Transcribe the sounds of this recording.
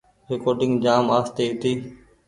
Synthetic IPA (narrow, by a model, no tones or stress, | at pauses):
ɾekoːɖɪ̃ŋɡd͡ʒaːmaːst̪eːit̪iː